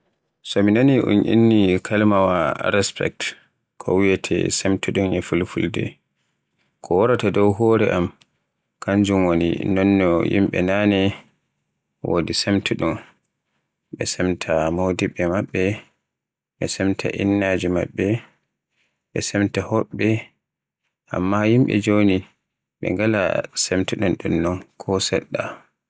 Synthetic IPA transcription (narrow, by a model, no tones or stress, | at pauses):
sɔminoniʔṵnʔḭnːikʰalmawaɾɛspɛ̰k̚t | kʰɔ̰wijɛtʰɛ̰semtuɗumɲɛfulfuldɛ̰ | kʰɔwɔɾatadɔwɦɔɾɛʔam | kaɲd͡ʒumwonḭnɔnːɔjḭmɓɛ̰nanɛ | wʔo̰disemtʰuɗum | ɓɛsɛmtʰamodiɓɛmaɓːɛ | ɓɛsɛmtʰa̰ʔinːad͡ʒima̰ɓːɛ | ɓɛsɛmtahɔɓːɛ | ʔa̰mːahimɓɛ̰d͡ʒoni | ɓɛ̰ŋɡala̰semtuɗunɗunːɔnkʰɔsɛ̰ɗːa